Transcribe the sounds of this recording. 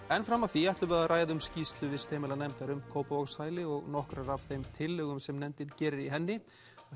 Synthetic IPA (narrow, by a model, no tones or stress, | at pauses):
ɛnfɾamːawθiajht̪lʏvɛːɾðarʔaːjðʏmscist̪lʏvɪst̪ʰeːmɪlanɛmt̪aɾʏmkʰoːwpavɔkshaːjlɪɔɣnɔhkɾarav̥θejmt̪ʰɪlːʏɣʏmsɛmnɛmt̪ɪncɛːɾɪɾiɦɛnːɪ